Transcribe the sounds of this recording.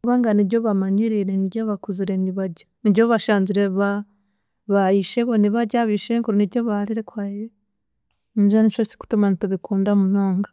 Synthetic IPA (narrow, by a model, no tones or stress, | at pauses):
uβaŋɡaniβɟoβamaɲiɾiɾeniɾɟoβakuziɾeniβaɟaniɟoβaʃaːnziɾeβa | βaiʃeβoniβaɟaβiʃeŋkuɾoniɾɟo̞βaɾiɾekwaije | niʒanit͡ʃosi̥ku̥tumantuβikuːndamunoːŋɡa